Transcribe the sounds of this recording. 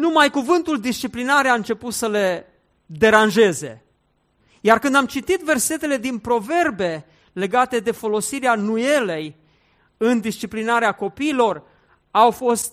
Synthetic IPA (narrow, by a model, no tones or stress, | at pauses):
numajkuvɨnt̪uld̪ist͡ʃiplinaɾeaɨnt͡ʃe̞put̪səle̞ | d̪e̞ɾanʒe̞ze̞̰ | jarkɨnd̪amt͡ʃit̪it̪ve̞rse̞t̪e̞le̞d̪inpɾo̞ve̞rbe̞ | le̞ɡat̪e̞d̪e̞fo̞lo̞siɾeanuje̞le̞j | ɨnd̪ist͡ʃiplinaɾeako̞piːlo̞r | awfo̞st̪